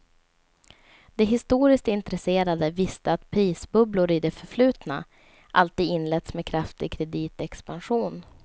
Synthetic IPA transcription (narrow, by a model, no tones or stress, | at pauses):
d̪̥ɛɦɪst̪uːɾɪskt̪ɪnt̪ɾɛseːɾad̪əvɪst̪əat̪pʰɾiːsbɵblʊɾɪd̪ɛfœɾflʉ̟ːt̪na̰ | ʔalt̪iːd̪ɪnlɛt̪smɛkʰɾaft̪ɪɡ̚kʰɾɛd̪iːt̪ɛkspanɧuːn